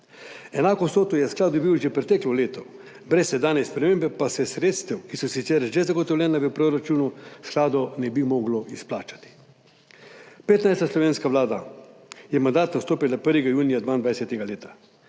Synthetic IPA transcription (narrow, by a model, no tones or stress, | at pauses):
ɛnaːkɔsoːt̪ujɛsklaːd̪d̪ubiwʒɛpɾɛt̪ɛklɔleːt̪ɔ | bɾɛsːɛd̪aːnɛspɾɛmeːmbɛpasɛsɾeːt̪st̪ɛwkisɔsit̪sɛɾʒɛzaɡɔt̪ɔwlʲjʲɛːnaʋəpɾoɾat͡ʃuːnusklaːd̪ɔnɛbimɔːɡlɔʔisplaːt͡ʃḁt̪i̥ | peːt̪najst̪aslɔʋeːnskaʋlaːd̪ajɛmand̪aːt̪nawst̪oːpilapəɾʋɛɡajuːnijad̪ʋaːind̪ʋaːjsɛt̪ɛɡaleːt̪ḁ